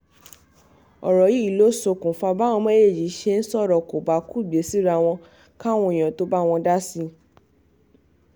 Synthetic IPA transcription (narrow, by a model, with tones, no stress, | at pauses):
ɔ̰˨ɾɔ˨ji˨˦i˨lo˦so˨˧˨kũ˨fa˧ba˦w̃ɔ̃˧mẽ˦je˦˨d͡ʒi˨˦ʃe˧˦˧n̩˦sɔ˦˨ɾɔ˨ko˨ba˨˦ku˦˨ɡ͡be˨˦si˦ɾa˧˨w̃ɔ̃˧ | ka˦˨w̃ũ˧˨j̃ã˨to˧˦ba˦˧w̃ɔ̃˧da˦si˧